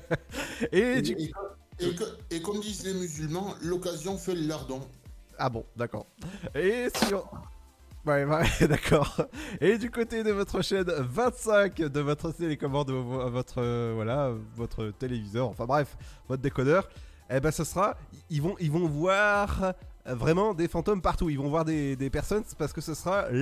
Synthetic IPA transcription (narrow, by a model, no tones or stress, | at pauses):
ed̪yekekɔmd̪izlemyzylmɑ̃lɔkazjɔ̃fɛləlaʁd̪ɑ̃abɔ̰̃d̪akɔ̰ːʁesyʁ | wɛɛd̪akʰɔːʁed̪ykot̪ed̪əvɔt̪χəʃɛnvɛ̃t̪sɛ̃kd̪əvɔt̪χəselekɔmɔʁd̪əvvɔt̪χəvwalavɔt̪χət̪elevizœʁɑ̃fɛ̃bʁɛfvɔt̪χd̪ekɔd̪œʁ | ebɛ̃səsʁaiilvɔ̃ʔilvɔ̃vwaʁvʁɛmɑ̃d̪efɑ̃t̪ompaʁt̪uilvɔ̃vwaʁd̪ed̪epɛʁsɔnpaʁsə̥kəsəsəʁa